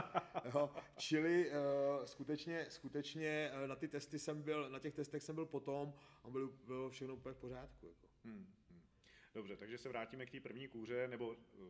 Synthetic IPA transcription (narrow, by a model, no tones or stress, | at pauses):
ɦot͡ʃɪlɪskut̪ɛt͡ʃɲɛskut̪ɛt͡ʃɲɛnat̪ɪt̪ɛst̪ɪsɛmbɪlnacɛxt̪ɛst̪ɛxsɛmbɪlpo̞t̪o̞mabɪlɪbɪlofʃɛxno̞upəɲɛfpo̞r̝aːt̪kujakom̩ | d̥obrɛt̪aɡʒɛsɛvɾaːciːmɛkt̪iːpr̩vɲiːkuːr̝ɛnɛbo̞